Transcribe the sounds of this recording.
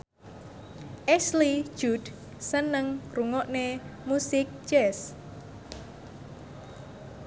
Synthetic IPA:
ʔɛsli̥ʒ̥ud | sənəŋruŋɔʔnemusɪk̚t͡ʃɛs

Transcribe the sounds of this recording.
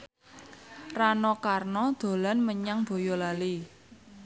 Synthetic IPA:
ranɔkarnɔd̪̥o̤lanməɲaŋb̥o̤jɔlali

